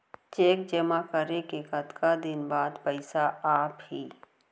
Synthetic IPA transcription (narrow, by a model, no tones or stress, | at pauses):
t͡ʃeːkd͡ʒəmakəɾekekɐt̪kad̪ɪnbaːd̪pəɪsaaːpɦiː